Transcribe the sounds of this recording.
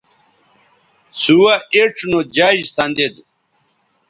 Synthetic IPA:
suwaeʈ͡ʂʰnod͡ʑad͡ʑst̪and̪ed̪

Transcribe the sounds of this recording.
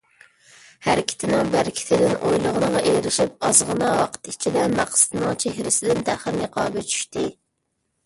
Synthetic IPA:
hæɾɪkʲʰɪ̥t̪ʰɪnɪŋbæɾkʲʰɪ̥t̪ʰɪd̪ɪnʔojlˠəʁənəʁɑʔejɾɪʃip̚ɑzʁənɑwɑqʰə̥t̪it͡ʃʰid̪ɛmæqsɪ̥t̪ʰɨnɨŋt͡ʃʰehɾɪsɪd̪ɪnt̪ʰæχəɾnɨqʰɑːbɪt͡ʃʰy̥ʃt̪ɪ

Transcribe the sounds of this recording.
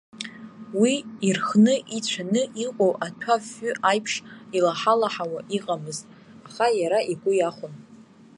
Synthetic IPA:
wiirχnɨʔit͡ɕʷʰanɨʔiqʼowʔatʷʰafːʏʔajpʰʂilaħalaħawaʔiqʼamɨztʼ | aχajaɾaʔiɡʷʼʊjaχʷʊn

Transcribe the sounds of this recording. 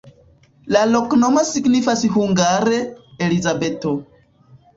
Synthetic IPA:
lalo̞kno̞mosiɡnifashuŋɡaɾe̞elizabe̞to̞

